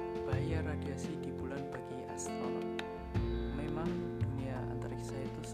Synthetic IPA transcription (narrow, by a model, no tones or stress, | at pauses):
b̥aɦajaradiasidibulanbaɡia̰st̪ɾala | memaŋduniaa̰nt̪aɾaki̥sait̪us